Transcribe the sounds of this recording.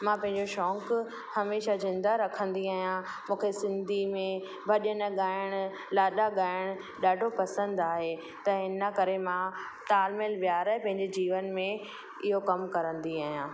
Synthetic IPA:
mãpɐ̃ɦɪ̃ɲd͡ʑoʃɔːk | hɐmeːʃazɪ̃nd̪aɾɐkʰə̃nd̪iaːɦijã | mũːkʰesɪ̃nd̪ʱimẽ | bʱɐɗənɠaːɪɽ̃ | laːɗaɠaːɪɽ̃ | ɗaːɖʱopɐsə̃nd̪aːɦe | t̪ɐɪnəkɐɾemã | t̪aːlmɪlʋjaːɾəɦepɐ̃ɦɪ̃ɲd͡ʑed͡ʑiːʋənmẽ | ɪɦokɐmkɐɾə̃nd̪iaːɦijãː

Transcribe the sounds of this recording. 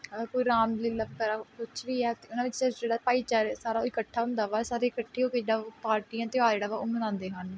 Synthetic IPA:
əkoiːɾaːmliːləbkəɾaːkʊt͡ʃʰʋiːɛːt̪eʊnãːʋɪt͡ʃd͡ʒeːɽaːpaːiːt͡ʃaːɾsaːɾaːoiːkəʈʰːaːɦʊ̃nd̪aːʋaːsaːɾeːkəʈʰːeːoːked͡ʒeːɽaːpaːɾʈiːãːt̪eaːd͡ʒeːɽaːʋaʊmənãːnd̪eːɦən

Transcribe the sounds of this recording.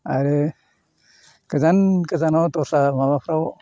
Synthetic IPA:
aɾe | kəzankəzanɔwt̪ɔɾsamaβapʰɾaw

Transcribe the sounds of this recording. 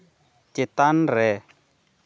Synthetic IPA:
kɪt̪an̩ɾɛ

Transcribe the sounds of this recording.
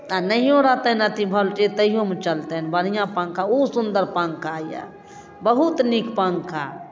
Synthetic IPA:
anəɦjõɾat̪ənət̪ʰibʱəlʈet̪əɦijõmet͡ʃəlt̪enbəɽ̤ijãpãŋkʰausund̪əɾpãŋkʰaja̰ | bəɦut̪nikpãŋkʰa̰

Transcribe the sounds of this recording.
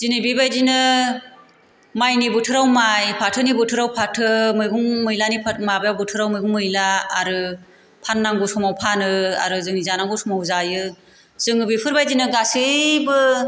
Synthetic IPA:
zinɯbibajzinɯ | majnibɯtʰɯɾawmajpʰatʰɯnibɯtʰɯɾawpʰatʰɯmɯjɡuŋmɯjlanipʰamabajawbɯtʰɯɾawmɯjɡuŋmːɯjlaːɾɯ | pʰanːaŋɡusɔmawpʰanɯa̰ɾɯzɯŋnizanaŋɡusɔmawzajɯ | z̥ɯŋɯbipʰɯɾbajzinɯɡasɯbɯ

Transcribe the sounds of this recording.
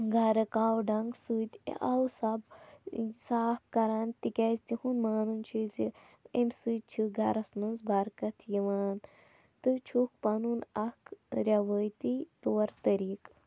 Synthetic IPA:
ɡʱɐɾɨkaːwɖɐŋɡsut̪ʲḛʔɐwsɐb | saːp̚kɐɾaːnt̪ikʲɐzt̪ihunmaːnunt͡ʃʰizi | emʲsujt̪̚t͡ʃʰiɡʱɐɾɐsmɐnzbʱɐɾkɐt̪ʰjiʋaːn | t̪ɨt͡ʃʰuk̚pɐnunɐkɾʲɐʋəjt̪it̪oːɾt̪ɐɾiːk

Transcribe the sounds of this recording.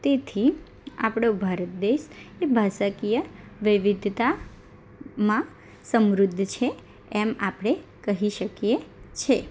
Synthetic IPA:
t̪et̪ʰi | a̰pɽ̃obʱaɾət̪̚d̪eʃebʱasəkijəʋɪʋid̪ʱt̪a | mã | səmɾʊd̪ʱːt͡ʃʰe | ɛmapɽ̃ekəɦiʃəkjet͡ʃʰe

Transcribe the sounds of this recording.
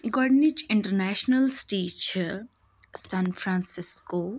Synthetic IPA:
ɡɔːɖnɪd͡ʒɪ̃ɳʈəɾnɛːʃnəlsʈiːt͡ʃ | sãːnfɾãːnsɪskoː

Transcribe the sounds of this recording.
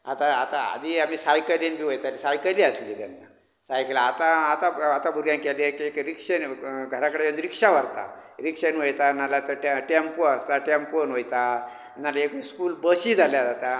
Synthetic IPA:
a̰t̪aat̪aa̰d̪ʱiam̤iːsajkəlinbʱiːʋojt̪alisajkəliəsliːt̪anːa | sajkəlaːt̪aat̪aat̪abʱuɾjãŋkɛleekekɾikʂənɡʱəɾakəɽejõnd̪ɾikʂaʋ̤əɾt̪a̰ɾikʂənʋojt̪anːalat̪əʈeʈempoəst̪aʈemponʋojt̪a | nːalaekskuːlbəɕiːd͡zʱaljad͡zat̪a

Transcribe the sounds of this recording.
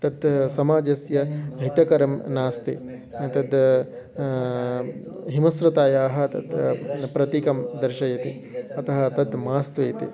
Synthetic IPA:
t̪ɐd̪sɐmaːd͡ʒɐsjɐɦit̪ɐkɐɾɐmnaːst̪ḛ | t̪ɐd̪ | ɦimɐsɾɐt̪aːjaːɦɐ̆t̪ɐ̰d̪pɾɐt̪ikɐmd̪ɐɾʃɐjɐt̪e | ɐt̪ɐɦɐ̆t̪ɐd̪maːst̪ʋeːt̪ḛ

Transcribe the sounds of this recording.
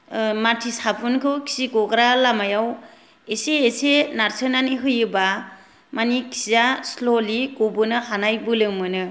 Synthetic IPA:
matʰisapʰunkʰɯwkʰi̥sikɔɡɾalamajaw | eseːsenaɾsɯnaniɦɯjɯba | manikʰizaslolikobɯnɯhanajbɯlɯmɯnɯ

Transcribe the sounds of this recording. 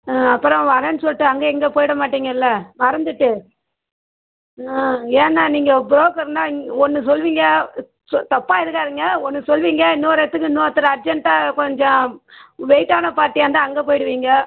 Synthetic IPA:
ɐpːɯɾɔ̃ʋɐɾɐnsɔlʈːɯɐŋɡeɛŋɡeːpoːjɪɽɐmaːʈːiːŋɡɐɪlːɐmɐɾɐnd̪ɯʈːɯ | eːnːaːniːŋɡɐbɾoːkɐɾnaːɔnːɯsɔlʋiːŋɡɐ | sɔt̪ɐpːaːɪɾɯkːaːɾɯŋɡɐɔnːɯsɔlʋiːŋɡɐnuːɾɛt̪ːɯkːɯnoːt̪ːɯɾɐɐɾd͡ʒɛɳʈaːkɔɲd͡ʒɔ̃ | ʋɛɪʈːaːnɐpaːɾʈːiɐnd̪aɐŋɡeːpoːjɪɽɯʋiːŋɡɐ

